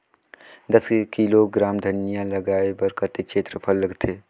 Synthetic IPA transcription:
d̪ɐskiloɡɾaːmd̪ʱɐnijãlɐɡaːebəɾkɐt̪ekʃeːt̪ɾəpʰələɡt̪ʰeː

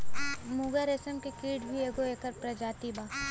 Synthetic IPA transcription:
muɡaɾesəmkikiːɖbʱieːɡoeːkəɾpɾɐd͡ʒaːt̪ibaː

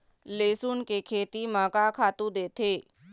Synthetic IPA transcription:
leːsuːnkekʰeːt̪imaːkakʰaːt̪ũd̪eːt̪ʰeː

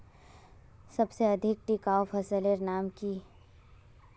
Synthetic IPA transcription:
sɐbseɐd̪ʱɪk̚ʈikaːofʰɐsəleɾnaːmki

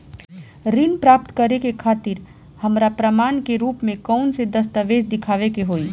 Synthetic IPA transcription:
ɾiːnpɾaːp̚t̪kəɾekekʰaːt̪ɪɾ | hɐmɾapɾəmaːnkeɾuːpmẽkɔʊnsed̪ɐst̪əʋeːd͡ʒd̪ɪkʰaːʋekeɦoːiː

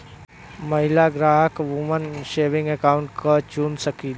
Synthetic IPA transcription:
məɦɪlaɡɾaːɦəkʋumənʃeːʋɪ̃ŋɡekaːʊ̃ɳʈkat͡ʃunsəkiːl

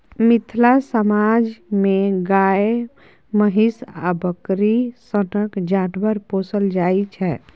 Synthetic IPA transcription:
mit̪ʰlasəmad͡ʒmeɡae | məɦisa̰bəkɾisənəkd͡ʒanbəɾposəld͡ʒajt͡ʃʰɛ

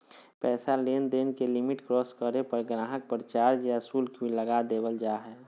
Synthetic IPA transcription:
pɛːsaleːnd̪eːnkelɪmɪʈkɾɔːskəɾepəɾɡɾaːɦək̚pɾət͡ʃaːɾd͡ʒasuːlkĩləɡad̪eːwəld͡ʒaːɦɛː

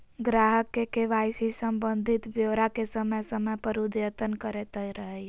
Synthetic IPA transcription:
ɡɾaɦəkːekeʋasisəmbənd̪ʱit̪bjoɾakesəməjsəməjpəɾud̪jət̪ənkəɾet̪əjɾəɦəj

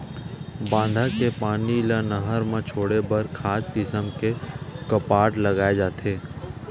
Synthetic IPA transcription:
bãːnd̪ʱakepaːnilanəɦəɾmẽt͡ʃʰoːɽebəɾkʰaːskɪsəmkekəpaːʈləɡaːed͡ʒaːt̪ʰeː

